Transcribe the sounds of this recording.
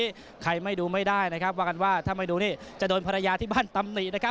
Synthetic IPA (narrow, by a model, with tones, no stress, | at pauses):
kʰa˧jma˥˩jduː˧ma˥˩jdaː˥˩jna˦˥kʰa˦˥p̚waː˥˩ka˧nwaː˥˩t̪ʰaː˥˩ma˥˩jduː˧niː˥˩t͡ɕa˨˩doː˧npʰa˧ɾa˧jaː˧t̪ʰiː˥˩baː˥˩nt̪a˧mni˨˩na˥kʰa˦˥